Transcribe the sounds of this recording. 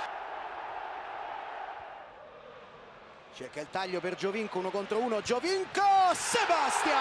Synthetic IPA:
t͡ʃɛkːeɛilt̪aʎːoperd͡ʒoviŋkounokont̪ɾouːnod͡ʒoviŋkosebast̪ja

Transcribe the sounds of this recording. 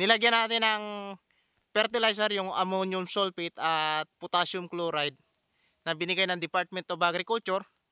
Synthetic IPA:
nɪlɐɡjanaːt̪ɪnɐŋ | fɛɾt̪ɪlajs̬ɛɾjʊŋʔɐ̰monjʊmsolpɪt̪at̪̚pʊt̪aʃʊmkloɾajd̪̚ | nɐbɪnɪɡajnɐŋd̪ɪpaɾt̪̚mɛnt̪obʔaɡɾɪkʊltt͡ʃʊɾ

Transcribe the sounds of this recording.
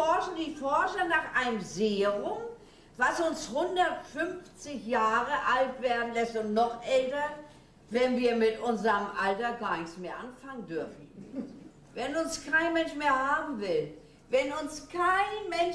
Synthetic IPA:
ɔɐʃn̩diːfɔɐʃɐnaːχʔaɪnəmzeːəʁʊm | vasʊnshʊndɐtfʏnft͡sɪçjaːʁəʔaltv̥eːɐdn̩lɛstʊntnɔχʔɛltɐ | vɛnviːɐmɪtʔʊnzɐʁəmʔaltɐɡaːɐnɪçt͡smeːɐʔanfaŋəndʏɐfn̩ | vɛnʊnskʰaɪnmɛnʃmeːɐhaːbm̩vɪl | vɛnʊnskʰaɪnmɛn

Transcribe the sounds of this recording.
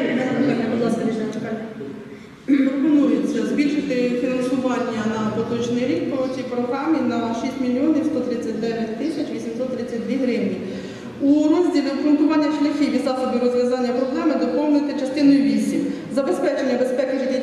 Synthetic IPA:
kɐbd̪lˠɑskɐɾʲiʃɐt͡ʃkɑ | pɔpɔnujʊt͡sʲːɐzbʲilʲʃɪt̪ɪfʲinɐnsʊʋɑnʲːɐnɐpɔt̪ɔʒnɪjɾʲik̚pɾɔtʲipɾɔɦɾɑminɐʃisʲtʲmʲilʲjɔnifst̪ɔt̪ɾɪt͡sʲːɐt̚ʲd̪ɛʋʲjɐt̚ʲt̪ɪsʲɐt͡ʃʋʲisʲimsɔt̪ːɾɪt͡sʲːɐt̚ʲdʋʲiɦɾɪʋnʲi | urɔzʲdʲilʲɪkʊnt̪ʊʋɑnʲːɐʃlʲɐxʲiʋʲid̪zɑsɔb̪ɪɾɔzʋʲjɐzɑnʲːɐpɾɔɦɾɑmɪd̪ɔpɔwnʊjt̪ɪt͡ʃɐst̪ɪnɔjʊʋʲisʲim | zɐbespɛt͡ʃenʲːɐbespɛkɪidʲi

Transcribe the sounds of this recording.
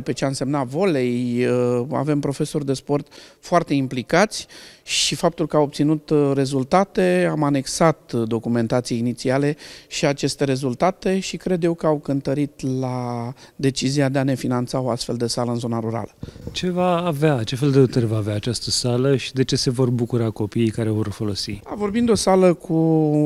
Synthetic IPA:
pe̞t͡ʃeaɨnse̞mnavo̞le̞jəa̰ve̞mpɾo̞fe̞so̞rʲd̪e̞spo̞rt̪foart̪e̞implikat̪sʲʃifap̚t̪ulkəawo̞p̚t̪sinut̪re̞zult̪at̪e̞amane̞ksat̪d̪o̞kume̞nt̪at̪sijeinit̪siale̞ʃiat͡ʃe̞st̪e̞ɾe̞zult̪at̪e̞ʃikɾe̞d̪je̞wkəawkənt̪əɾit̪lad̪e̞t͡ʃiziad̪e̞ane̞finant̪sao̞ast̪fe̞ld̪e̞saləɨnzo̞naɾuɾa̰lət͡ʃe̞vaːveat͡ʃe̞fe̞ld̪eut̪əɾvaːveaːt͡ʃast̪əsaləʃi̥d̪e̞t͡ʃe̞se̞vo̞rbukuɾako̞piejkaɾe̞vo̞rfo̞lo̞siavo̞rbind̪o̞saləkʰu

